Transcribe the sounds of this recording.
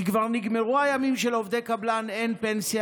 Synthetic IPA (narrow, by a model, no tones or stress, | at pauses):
ikvaʁniɡme̞ʁuajamimʃe̞lo̞vd̪e̞kablane̞npe̞nsja